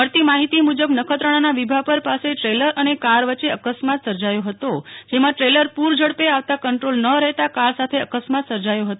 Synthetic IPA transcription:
əɾt̪imaɦit̪imud͡ʒəbnəkʰət̪ɾəɽ̃anaʋibʱapəɾpaseʈɾeləɾʔənekaɾʋətːʃeəkəsmat̪səɾd͡ʒajoɦət̪od͡ʒemãʈɾeləɾpuɾd͡ʒəɽpeaʋt̪akəɳʈɾolnəɾɛɦt̪akaɾsat̪ʰeəkəsmat̪səɾd͡ʒajoɦət̪o

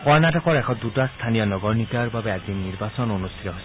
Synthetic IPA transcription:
kɔɹnatɔkɔɹɛkʰɔdutast̪ʰanijɔnɔɡɔɹnikaɹbabɛazinːiɹbasɔnonust̪ʰi̥tɔɦojs

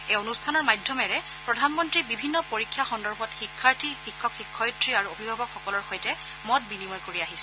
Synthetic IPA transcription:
ejonustʰanɔɹmajdʱjɔmɛɹɛ | pɹɔdʱanmɔntɹibibʱinːɔpoɹikʰːjaxɔndɔɹbʱɔtxikʰːaɹtixikʰːɔkxikʰːɔjtɹiaɹuobʱibʱabɔkxɔkɔlɔɹxojtɛ | mɔt̚binimɔjkoɹiaɦisɛ

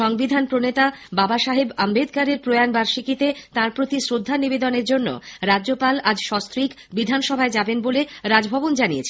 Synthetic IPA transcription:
ʃɔŋbid̪ʱanpɾonet̪ababaʃaɦebambed̪kaɾeɾpɾoeanbaɾʃikit̪et̪ãɾpɾot̪isɾod̪ʱːanibed̪oneɾd͡ʑonːo̰ɾadʑopalad͡ʑʃɔst̪ɾik | bid̪ʱanʃɔbʱaed͡ʑabenboleɾad͡ʑbʱɔbond͡ʑaniet͡ɕʰe

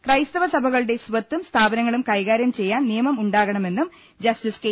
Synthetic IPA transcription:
krɐjst̪ɐʋɐsɐbʱɐɣɐɭɨɽe̞sʋɐt̪ːumst̪ʰaːbɐnɐŋːɐɭumkɐjɣaːɾjɐmt͡ɕe̞jːaːnnijɐmɐmuɳɖaːɣɐɳɐme̞nːum | d͡ʑɐstiske

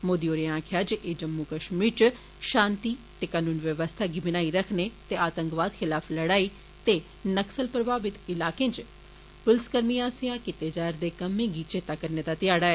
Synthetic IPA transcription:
moːd̪ioːɾeãːkʰjaːd͡ʒeːd͡ʒəmːuːkəʃmiːɾt͡ʃ | ʃãːnt̪iːt̪eːkaːnũːnʋjəʋəst̪ʰaːɡibɪnaːiːɾəkʰneːt̪eːaːt̪ə̃ŋkʋaːd̪xʰɪlaːpʰləɽaːiː | t̪eː | nəksəlpɾəbʱaːbɪt̪ɪlaːkẽːnt͡ʃ | pʊlskəɾniãːsɪjaːkɪt̪eːd͡ʒaːɾd̪eːkəmːẽːɡiːt͡ʃʰeːt̪aːkəɾneːd̪aːt̪ɪjaːɽaːɛː

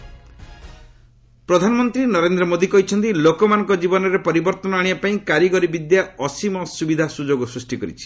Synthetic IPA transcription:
pɾɔd̪ʱanɔmɔnt̪ɾinɔɾend̪ɾɔmod̪ikɔɦit͡ʃʰɔnt̪̬ilokɔmanɔ̃ŋkɔd͡ʒibɔnɔɾepɔɾibɔɾt̪ɔnɔaɽ̃ibapaĩkaɾjɔɡɔɾibid̪jaɔsimɔsubid̪ʱasud͡ʒoɡɔsɾusʈikɔɾḭt͡ʃʰi̥

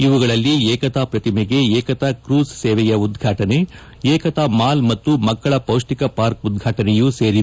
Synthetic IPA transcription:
iʋuɡɐɭɐlːiɛːkɐt̪aːpɾɐt̪imɛɡe̞ɛːkɐt̪akɾuːsseːʋɛjɐud̪ɡʱaːʈɐne̞ | ɛːkɐt̪amaːlmɐt̪ːumɐkːɐɭɐpɐwʂʈikɐpaːɾkud̪̚ɡʱaːʈɐnɛjuseːɾi

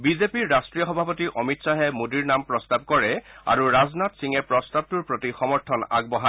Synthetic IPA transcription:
bizepiɹːastɹijɔxɔbʱapɔtiʔɔmitsaɦɛmodiɹnampɹɔstab̚kɔɹɛa̰ɹuɹaznatsiŋɛpɹɔstab̚tuɹpɹotixɔmɔɹtʰɔna̰ɡ̚bɔɦa

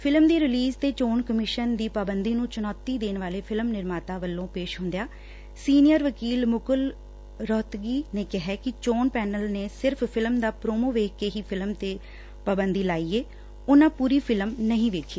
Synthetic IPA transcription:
pʰɪlmd̪iːɾɪliːzt̪eːt͡ʃoːnkəmɪʃənd̪iːpaːbənd̪iːnũːt͡ʃənɔːt̪ːiːd̪eːnʋaːleːpʰɪlmnɪɾmaːt̪aːʋəlːõːpeːʃɦʊ̃nd̪jaː | siːnɪjəɾʋəkiːlmʊkəl | ɾɔːt̪ɡiːneːkɪɦɛːkɪt͡ʃoːnpɛːnəlneːsɪɾpʰpʰɪlmd̪aːpɾoːmoːʋeːkːeːɦiːpʰɪlmt̪eː | paːbənd̪iːlaːiːeː | ʊnãːpuːɾiːpʰɪlmnəɦĩːʋeːkʰiː

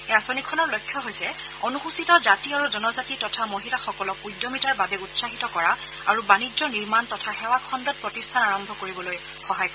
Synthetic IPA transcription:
ɛasonikʰːɔnɔɹlojkʰːjɔɦojsɛ | onuxusitɔzatiaɹuzɔnɔzatitɔtʰamoɦilaxɔkɔlɔkujdːɔmitaɹbabɛutsaɦitɔkɔɹa | aɹubanid͡ʒɔniɹmantɔtʰaxɛwakʰɔndɔt̚pɹɔtistʰanaɹɔmbʱɔkoɹibɔloj | xɔɦajk

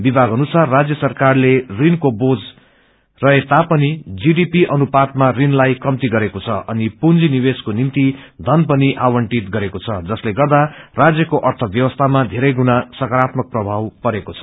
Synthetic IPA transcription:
bibʱaɡɦʌnusarːad͡zjʌsʌrkarlerinkobod͡z | rʌɦet̪apʌnid͡ziɖipiʔʌnupat̪̚marinlajkʌmt̪iɡʌɾekot͡sʰʌʔʌnipund͡ziniweskonimt̪id̪ʱʌnpʌniʔawʌɳʈit̪ɡʌɾekot͡sʰʌd͡zʌsleɡʌrd̪arad͡zjʌkoʔʌrt̪ʰʌbjʌwʌst̪ʰamad̪ʱeɾʌjɡunasʌkaɾat̪mʌk̚prʌbʱawpʌɾekot͡sʰʌ

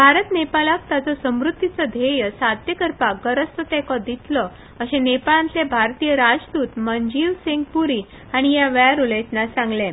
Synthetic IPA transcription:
bʱaɾət̪nepalak̚t̪at͡sɔsəmɾut̪ːit͡səd̪ʱejəsad̪jəkəɾpaɡəɾəst̪ət̪ɛkɔd̪it̪lɔ | əɕẽnepalãnt͡sebʱaɾt̪ijəɾad͡zd̪uːt̪məɲd͡ʑiʋseŋɡpuɾi | aɽ̃ijaʋəjaɾulẽt̪nasãŋɡlẽ

